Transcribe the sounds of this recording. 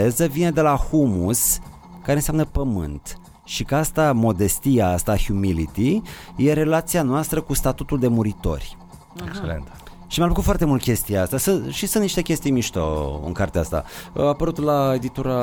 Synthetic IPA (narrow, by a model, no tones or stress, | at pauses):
ezəvine̞d̪e̞lahumus | kaɾe̞nseamnəpəmɨ̰nt̪ | ʃikəast̪amo̞d̪e̞st̪iaast̪ahjumilit̪ije̞ɾe̞lat̪sianoast̪ɾəkust̪at̪ut̪uld̪e̞muɾit̪o̞̰rʲ | ekelḛnt̪ | ʃimapəkut̪foart̪e̞mult̪̚kʲe̞st̪ijaast̪asɨʃisɨnniʃt̪e̞kʲe̞st̪ijmiʃt̪o̰ɨ̰ŋkart̪east̪a̰apəɾut̪lae̞d̪it̪uɾa